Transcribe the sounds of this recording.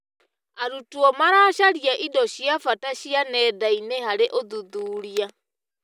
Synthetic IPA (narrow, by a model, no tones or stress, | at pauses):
aɾutuɔmaɾaʃaɾiaʔidɔɕiafataʃianɛːdainehaɾeʔoðuðuːɾia